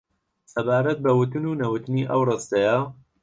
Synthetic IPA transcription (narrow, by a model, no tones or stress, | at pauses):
sɐbaːɾɐt̪̚bɐwʊt̪ɨnuːnɐwʊt̪ɨniːʔɐwrest̪ɐja